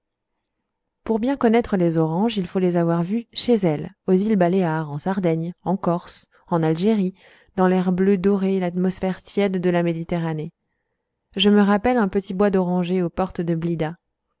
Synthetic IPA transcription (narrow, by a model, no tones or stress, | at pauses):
puʁbjɛ̃kɔnɛt̪χəlezɔʁɑ̃ʒilfolezavwaʁvyʃezɛl | ozilbaleaʁɑ̃saʁd̪ɛɲɑ̃kɔʁs | ɑ̃nalʒeʁi | d̪ɑ̃lɛʁblød̪ɔʁelat̪mɔsfɛʁt̪jɛd̪ːəlamed̪it̪eʁane | ʒəməʁapɛlɛ̃pət̪ibwad̪ɔʁɑ̃ʒeopɔʁt̪d̪əblid̪a